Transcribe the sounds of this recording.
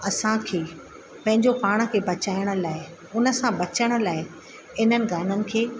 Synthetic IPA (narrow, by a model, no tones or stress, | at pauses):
ɐsãkʰeː | pɐ̃ɦɪ̃ɲd͡ʑopaːɽ̃ə̆kʰeːbɐt͡ɕaːɪəɽ̃ə̆laːɪ | ʊnə̆sãbɐt͡ɕəɽ̃ə̆laːɪ | ɪnənɪ̆ɡaːnənɪ̆kʰeː